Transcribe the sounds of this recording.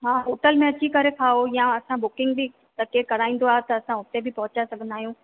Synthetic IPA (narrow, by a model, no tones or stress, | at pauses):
ɦãːɦoːʈəlmẽɐt͡ɕikɐɾekʰaːojãɐsãbʊkɪ̃ŋɡ̚bʱi | t̪ɐkekɐɾaːĩːn̆d̪oaːet̪ɐːsãʊt̪ebʱɪpɐɦʊt͡ɕasɐɡʱə̃nd̪aːɦijũː